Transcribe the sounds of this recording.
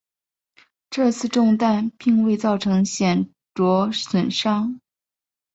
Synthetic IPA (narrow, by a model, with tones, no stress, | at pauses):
ʈ͡ʂɤ˥˧t͡sʰɹ̩˥˧ʈ͡ʂʊ˥˧ŋt̪a˥˧npi˥˧ŋwe˥˧ɪt͡sɑ˥˩ʊʈ͡ʂʰɤ˧˥ŋɕjɛ˨˩n | ʈ͡ʂwɔ˧˥swə˨˩nʂɑ˥ŋ